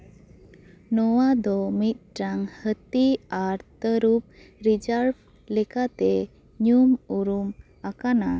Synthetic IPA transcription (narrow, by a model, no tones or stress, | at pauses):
nɔwad̪ɔmit̪̚ʈɾaŋhət̪iaɾt̪əɾup̚ | ɾid͡ʒaɾb | lɛkat̪ɛ | ɲumuɾum | akana